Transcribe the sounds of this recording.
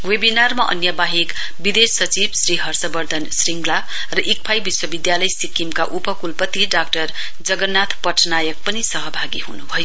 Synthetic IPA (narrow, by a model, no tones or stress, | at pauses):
webinarmaʔʌ̰njʌbaɦik | bid̪esːʌt͡sibsriɦʌrsʌbʌrd̪ʱʌnsriŋɡla | rʌʔik̚pʰajbiswʌbid̪jalʌjsikimkaʔupʌkulpʌt̪ːiɖakʈʌr | d͡zʌɡʌnːat̪ʰpʌʈʰnajʌk̚pʌnisʌɦʌbʱaɡiɦunubʱʌjo